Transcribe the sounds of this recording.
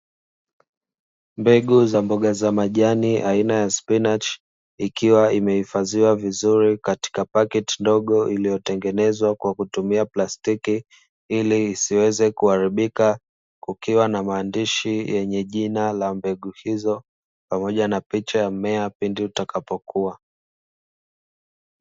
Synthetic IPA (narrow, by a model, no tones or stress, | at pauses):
mbɛɠuzambɔɠazamaʄaniʔainajaspinat͡ʃ | ikiwaimɛhifaziwavizuɾikati̥kapakɛtindɔɠɔʔilijɔtɛŋɡɛnɛzwakwakutumiaplastiki | iliːsiwɛzɛkuhaɾiɓika | kukiwanamaːndiʃijɛɲɛʄinalambɛɠuhizɔ | pamɔʄanapit͡ʃajamɛapindiutakapɔkua